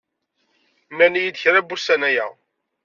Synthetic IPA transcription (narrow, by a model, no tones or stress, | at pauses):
mænijid̪çɾæbːusænæjæ̰